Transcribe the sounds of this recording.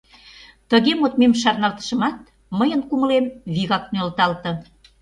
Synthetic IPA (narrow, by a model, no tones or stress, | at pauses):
t̪əɣemot̪memʃɑrnɑlt̪ə̥ʃə̆mɑt̪̚ | məjənkuməlemβiɣɑk̚nølt̪ɑlt̪ɤ̆